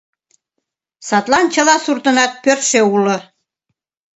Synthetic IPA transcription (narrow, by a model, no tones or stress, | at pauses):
sɑt̪lɑnt͡ɕɤ̆lɑsurt̪ɤ̆nɑt̪̚pørʃeulɤ̆